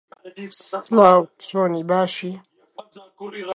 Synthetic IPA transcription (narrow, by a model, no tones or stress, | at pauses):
laːwsoːnibaːʃi